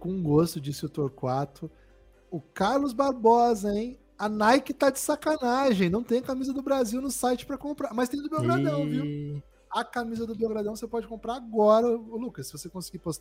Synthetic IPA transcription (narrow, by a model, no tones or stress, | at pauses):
kõũɡost̪ʊd͡ʒisɪʊt̪oɾkwat̪ʊ | ʊkaɾlʊzbaɾbɔzẽj̃ | ɐnajkɪt̪ad͡ʒɪsakanaʒẽj̃nɐ̃w̃t̪ẽj̃ɐkamizɐd̪ʊbɾaziwnʊsajt͡ʃɪ̥pɾɐkõmpɾamɐst̪ẽj̃d̪ʊbioɡɾadɐ̃w̃viw | ɐkamizɐd̪ʊbioɡɾad̪ɐ̃w̃sepɔd͡ʒɪkõmpɾaaɡɔɾɐʊlukɐsːɪvosekõsiɡipost̪a